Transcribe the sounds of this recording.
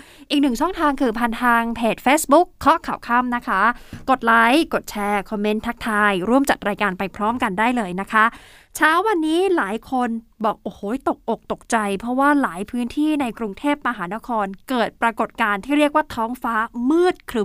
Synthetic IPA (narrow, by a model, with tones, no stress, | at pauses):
ʔiː˨˩k̚nɯ˨˩ŋt͡ɕʰɔ˥˩ŋt̪ʰaː˧ŋkʰɯː˧pʰa˧nt̪ʰaː˧ŋpʰeː˨˩t̪̚feː˦˥sbu˦˥kʰːɔ˦˥kʰa˨˩wkʰa˥˩mna˦˥kʰa˦˥ko˨˩t̪̚laː˦˥jko˨˩t̪̚t͡ɕʰɛː˧kʰɔ˧mːe˦˥nt̪ʰa˦˥k̚t̪ʰaː˧jɾu˥˩əmt͡ɕa˨˩t̪̚ɾaː˧jkaː˧npa˧jpʰɾɔː˦˥mka˧ndaː˥˩jlɤː˧jna˦˥kʰa˦˥ | t͡ɕʰaː˦˥wːa˧nːiː˦˥laː˨˩˦jkʰo˧nbɔː˨˩k̚ʔoː˨˧˩hoː˨˦t̪o˨˩k̚to˨˩k̚t̪o˨˩k̚t͡ɕa˧jpʰɾɔ˦˥waː˥˩laː˩˦jpʰɯː˦˥nt̪ʰiː˥˩na˧jkɾu˧ŋt̪ʰeː˥˩p̚ma˧ɦaː˩˦na˦˥kʰɔː˧nkɤː˨˩t̪̚pɾa˧ko˨˩t̪̚kaː˧nt̪ʰiː˥˩ɾi˥˩ək̚waː˥˩t̪ʰɔː˦˥ŋfaː˦˥mɯː˥˩t̪̚kʰɾɯ˧˩